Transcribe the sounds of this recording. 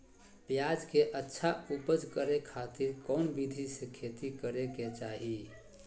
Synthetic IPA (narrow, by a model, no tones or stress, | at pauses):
pjad͡ʒkeʔətːʃʰaupəd͡ʒkəɾekʰat̪ɪɾkɔnbid̪ʱisekʰet̪ikəɾeket͡ʃaːɦi